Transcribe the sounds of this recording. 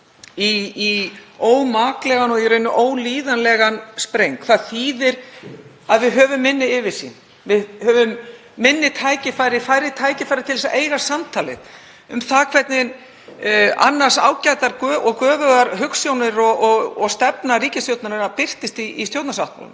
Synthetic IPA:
iː | oːwmaːklɛɣanɔɣiɾeɥjnːʏʔoːwliːðanlɛɣanspɾejŋkʰθaðθiːðɪɾ̥ | aðvɪðɦœːvʏmːɪnːɪɪvɪ̥sḭn | vɪðhœːvʏmː | ɪnːɪt̪ʰaːjcɪfaːjɾɪfajɾɪt̪ʰaːjcɪfajɾɪɾt̪ʰɪlɛsaʔeːjɾḁsamt̪ʰaːlɪ̰ð | ʏmθaðkʰvɛɾt̪nɪn | a̰nːaɾ̥sa̰ːwcajt̪aɾkœːʔɔkœːvʏɣaɾɦʏksjownɪɾɔɔɔɣst̪ɛpnaɾiːcɪst̪jowt̪naɾɪɾapɪr̥t̪ɪst̪iist̪jowt̪nasawht̪̚ma̰wlʏ̰m

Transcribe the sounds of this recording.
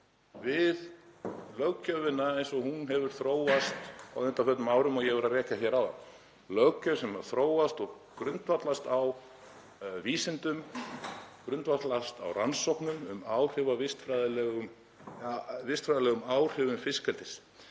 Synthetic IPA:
vɪðlœɣcœvɪnːaejnsɔhunɦɛvʏɾ̥θɾoːwast̪a̰wʏnt̪afœt̪nmaːwɾʏmɔɣjɛvɛɾarɛːcaçɛɾaw | lœɣcœsɛmaɾ̥θɾoːwast̪ɔɣ | kɾʏnt̪vat̪last̪aw | viːsɛnt̪ʏm | kɾʏnt̪vat̪last̪a̰wransɔwknʏmʏmaːwr̥ʏvavɪst̪fɾajðɪlɛɣʏm | vɪst̪fɾajðlɛːɣʏmaːwr̥ʏvʏmfɪskɛlt̪ɪs

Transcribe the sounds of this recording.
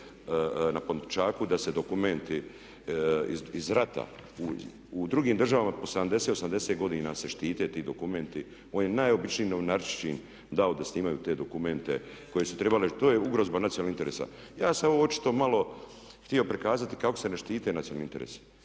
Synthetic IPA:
napont̪t͡ʃaːkud̪ase̞d̪o̞kument̪i | iizɾat̪a̰u | ud̪ɾuɡiːmd̪rʒaʋamapo̞sed̪amd̪eset̪osamd̪eset̪ɡo̞d̪iːnase̞ʃt̪iːt̪e̞t̪iːd̪o̞kume̞nt̪i | o̞ːnjenajo̞bit͡ʃniːnoʋnaɾt͡ʃt͡ʃḭn | d̪aod̪asniːmajuːt̪e̞ːd̪o̞kume̞nt̪eko̞jesut̪ɾe̞balet̪oːjeuɡɾozbanat̪sioalnint̪eɾeːsa̰ | jaːsaooot͡ʃi̥t̪o̞malo̞ | xt̪io̞pɾikaːzat̪i̥kako̞se̞neʃt̪iːt̪e̞nat̪ionalnint̪eɾḛːsi̥

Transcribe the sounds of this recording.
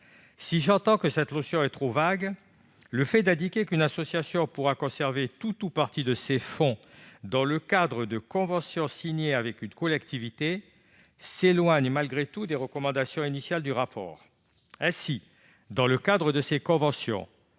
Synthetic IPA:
siʒɑ̃t̪ɑ̃kəsɛt̪lɔsjɔ̃ɛt̪χovaɡ | ləfɛd̪ɛ̃d̪ikʲekynasɔsjasjɔ̃puʁakɔ̃sɛʁvet̪ut̪upaʁt̪id̪əsefɔ̃d̪ɑ̃ləkad̪ʁəd̪əkɔ̃vɑ̃sjɔ̃siɲeavɛkynkɔlɛkt̪ivit̪e | selwaɲmalɡʁet̪ud̪eʁəkɔmɑ̃d̪asjɔ̃inisjald̪yʁapɔ̰ːʁ | ɛ̃si | d̪ɑ̃ləkad̪ʁəd̪əsekɔ̃vɑ̃sjɔ̰̃

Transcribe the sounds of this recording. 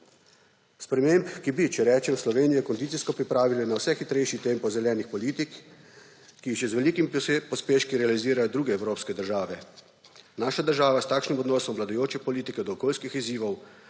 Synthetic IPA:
spɾɛmeːmpkibit͡ʃɛɾɛːt͡ʃɛmslɔʋeːnijɛkɔnd̪it̪siskɔpɾipɾaːʋilɛnawsɛxit̪ɾɛjʃit̪empɔwzɛljɛːnixpɔliːt̪ikː | iʒɛzʋɛliːkimipɔspeːʃkiɾɛaliziːɾajɔd̪ɾuːɡɛɛwɾoːpskɛd̪əɾʒaːʋɛ | naːʃad̪əɾʒaːʋast̪aːkʃnimɔd̪nɔːsɔmʋlad̪ɔjoːt͡ʃɛpɔliːt̪ikɛd̪ɔːkoːlskixiziːʋɔw

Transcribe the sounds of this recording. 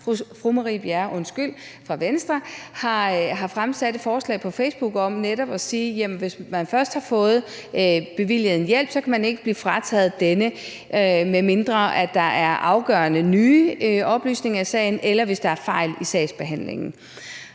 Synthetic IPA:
fʁumɑʁib̥æɐʔɔ̽nsɡ̥yl̰fʁɑ̈ʋensd̥ʁɐhɑ̈ɦɑ̈fʁamsæd̥əfɒːslɛ̰ɪpʰɒ̽feɪsb̥uɡ̥ɒ̽mneɾɒ̽b̥ɒ̽siːjæmnʋe̝smænfɶɐsd̥hɑ̈fɔ̽ːð̩ˠ | b̥e̝ʋil̰jð̩ˠen̩jel̰b̥sɒ̽kʰæmæne̝ɡ̥əb̥liːfʁɑt͡sʰɛ̰ð̩ˠd̥enə | meme̝nd̥ʁɐæd̥ɑ̈ʔæɐʔɑ̈ʊɡ̥ɶɐnənyːɒ̽b̥ly̰ːsne̝ŋɐisɛ̰ːɪn̩elɐʋe̝sd̥ɑ̈æɐfɑ̈ɪ̰lisɛɪsb̥e̝ɦæn̰le̝̰ŋn̩

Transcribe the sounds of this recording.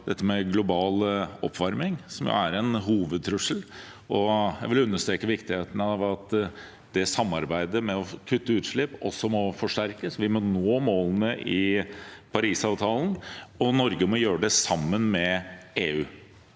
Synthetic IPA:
d̪ɛt̪ːəmɛɡlʊbɑːləɔpːʋɑɾmɪŋsɔmjʊ̰æɾɛnɦuːʋəd̪̚t̪ʰɾʉʂəl | ɔjæɪʋɪlʉnːəʂt̪ɾeːkəʋɪkt̪ɪheːt̪ənəɑʋɑt̪ | d̪̥ɛsɑmːɑɾbæɪd̪əɾmɛɔkʰʉt̪ːəʉːt̪ʂɭɪpːɔ̰sːɔmɔfɔʂʈæɾkəsʋɪmɔnoːmoːlənəʔɪ | pʰɑɾiːsɑːʋt̪ʰɑːln̩ɔnɔɾɡəmɔjøːɾəɖɛsɑmːənmɛeːʉː

